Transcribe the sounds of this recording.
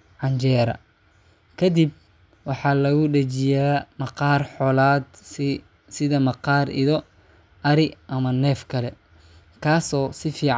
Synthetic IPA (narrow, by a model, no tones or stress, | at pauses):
ʕɑɲt͡ʃɛːɾɐ̰ | kʰɐd̪ib̚ | wɑħɑːlɐɣʊɖɐt͡ʃɪjaːmɐqɑːrħɔːlaːd̪ | sɪðɐmɐqɑːrḭðɔ | ʔɐɾɪʔɐmɐnɛːfkʰɐlɛ | kʰaːsɔːsɪfiːʕ